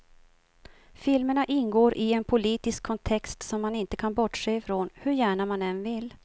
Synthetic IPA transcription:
fɪlməɳaʔɪnɡoːɾʔɪɛnpʰʊliːt̪ɪskʰːɔnt̪ʰɛkst̪sɔmːanɪnt̪əkʰanbɔʈʂeːɪfɾoːnhɵɾjæːɳamanɛnvɪlː

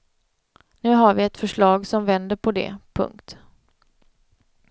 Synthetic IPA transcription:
nʉ̟ːɦaɾvɪɛt̪fœʂɭɑːɡsɔmvɛnd̪əɾpʰɔd̪ɛ̰pʰɵ̰ŋkt̪

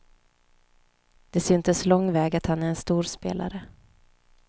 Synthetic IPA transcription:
d̪̥ɛsʏnt̪əslɔŋːvɛːɡat̪hanæɾɛnst̪uːɾspḛːla̰ɾə

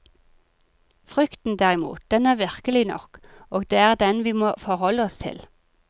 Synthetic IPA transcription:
fʁʏkt̪n̩d̪æːʁɪmṵːt̪̚d̪̥ɛnæːʁʋɪʁkəlɪnɔ̰koːɡd̪eːæːʁd̪ɛnʋiːmoːfɔʁhɔlːəɔst̪ʰɪ̰l

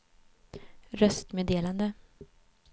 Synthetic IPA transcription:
ɾœst̪meːd̪eːland̪ə

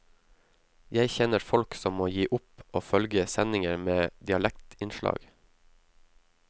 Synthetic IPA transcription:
jæɪçɛnəɾfɔlksɔmːoːjiːʔʊpoːfœlɡəsɛnɪŋəɾmeːd̪ɪɑlɛkt̪ɪnʃlɑ̰ːɡ

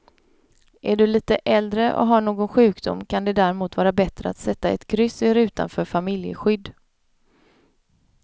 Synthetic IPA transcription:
ʔæɖɵliːt̪əʔɛld̪ɾəʔɔ̰ɦaɳoːɡɔnɧʉ̟ːkd̪ʊ̰mːkʰand̪ɛd̪æɾɛmuːt̪vɑːɾabɛt̪ɾəa̰t̪sɛt̪ːaɛt̪ɡɾʏsɪɾʉ̟ːt̪a̰nfœːɾfamɪljə̰ɧʏd̪ː

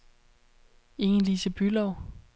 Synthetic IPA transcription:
e̝ŋn̩liːsəb̥ylɒʊ

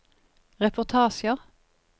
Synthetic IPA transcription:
ʁɛpʰʊʁt̪ʰɑːʃəʁ

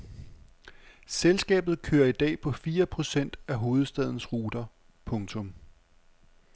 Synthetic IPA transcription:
selsɡ̥ɛ̰ːb̥ð̞̩ˠkʰøːɐid̥ɛ̰ːpʰɒ̽fiːɐpʰʁo̝sen̰d̥æɦo̝ːð̞̩ˠsd̥ɛð̞̰ˠn̩sʁuːd̥ɐ | pʰɔ̽ŋt͡sʰɔ̽m

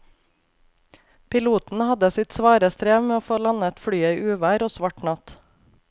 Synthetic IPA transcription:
pɪluːt̪n̩hɑd̪əsɪt̪sʋɑːɾəst̪ɾeːʋmeːoːfoːlɑnəɛt̪fɽyːəiːʔʉːʋæːɾoːsʋɑʈɳɑt̪

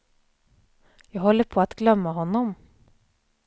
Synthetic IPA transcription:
jɑɡhɔlːəɾpʰɔːat̪ɡlœmːaɦɔnːɔm

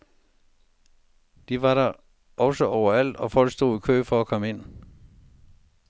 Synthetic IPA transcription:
d̥iʋɑ̈ɾɑ | ʔɒ̽səʔɒʊɐæl̰d̥ɒ̽fɒ̽l̰ɡ̥sd̥o̝̰ːikʰø̰ːfɒɒkʰɒ̽məe̝n̰

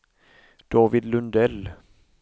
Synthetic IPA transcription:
d̪̥ɑːvɪd̪lɵnd̪ɛl

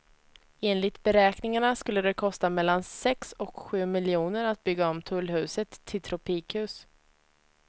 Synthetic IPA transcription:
eːnlɪt̪bɛɾɛːknɪŋaɳaskɵlːəd̪ɛkʰɔst̪amɛlːansɛksɔkɧʉ̟ːmɪljuːnəɾat̪̚bʏɡːaɔmt̪ʰɵlːɦʉ̟ːsət̪ʰːɪlt̪ʰɾɔpʰiːkhʉ̟ːs

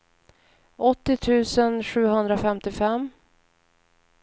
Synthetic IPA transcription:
ɔt̪ːɪt̪ʰʉ̟ːsənɧʉ̟ːɦɵnd̪ɾafɛmt̪ɪfɛm

